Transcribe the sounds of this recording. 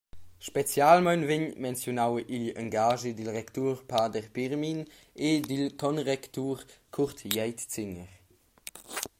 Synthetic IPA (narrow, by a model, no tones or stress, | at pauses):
ʃpɛt͡sjalmajnvɪɲmɛnt͡sjonawʔiʎaŋɡaːʒidilʁɛktuːʁpaːdɛʁpiʁmin | edilkɔnʁɛktuːʁkʰuʁtjɛjtt͡sɪŋəʁ